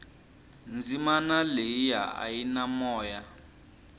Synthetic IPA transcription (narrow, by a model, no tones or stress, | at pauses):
nd͡zimanaleija̰a̰jinamɔːja